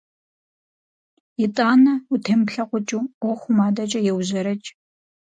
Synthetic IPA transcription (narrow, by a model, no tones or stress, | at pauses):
jɪtʼaːnɐutʰɨmpɬɐqʷʊt͡ʃʼuːɔxʷʊmaːdɐt͡ʃʼɐjɛwʑɐɾɐt͡ʃʼ